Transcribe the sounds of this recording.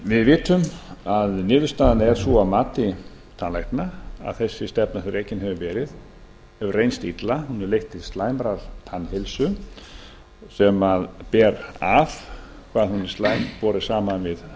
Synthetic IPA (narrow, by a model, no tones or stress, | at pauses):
vɪðvɪːt̪ʏmaðnɪːðʏɾst̪aːðanɛɾ̥suamaːt̪ɪ | t̪ʰanlajht̪naa̰ðθɛsːɪst̪ɛpnaθɛɾejcɪnɦɛvʏvɛːɾɪð | ɛvrejnst̪it̪lahunːɛɾlejht̪ɪðst̪laːjmɾal̥t̪ʰanhɪlsʏ | sɛmaðpɛːɾav | kʰvaːðhunist̪laːjmpɔːɾɪ̥saːmanvɪð